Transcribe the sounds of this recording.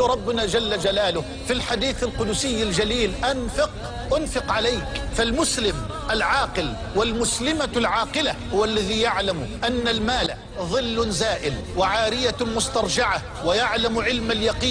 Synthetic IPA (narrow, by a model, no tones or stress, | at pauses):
ɾˤɑbːʊnaːd͡ʒalːad͡ʒalaːlʊh | filħad̪iːθalqʊd̪ʊsɪjːald͡ʒaliːlʔanfɪq | ʔʊnfɪqʕalajkfalmʊslɪm | ʔalʕɑːqɪl | walmʊslɪmalʕɑːqɪlahʊwalːaðiːjaʕlamʔanːalmaːla | ðˤɨlːʊnzaːʔɪl | waʕaːɾɪjamʊst̪ɑɾˤd͡ʒɪʕa | wajaʕlamʕɪlmaljɑqiː